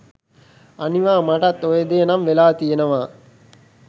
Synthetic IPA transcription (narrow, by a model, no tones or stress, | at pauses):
aniʋaːmaʈɐt̪ːojed̪ejːnɐmʋelaːt̪ijenəʋaː